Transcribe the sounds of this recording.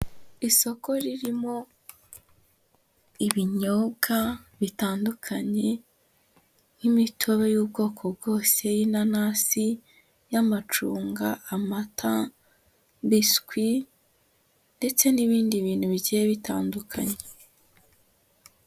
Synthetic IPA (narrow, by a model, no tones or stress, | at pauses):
iso̞ko̞ɾiɾimo̞ | iβiɲo̞bɡaβitaːndukʰaɲe̞ | nimitʰoβe̞juːbɡo̞ːkʰo̞bɡo̞ːse̞jinanasi | jamat͡ʃuːŋɡaːmatʰa | mbiskwi | nde̞t͡se̞niβiːndiβiːnhuβiɟijeβitaːndukʰaɲe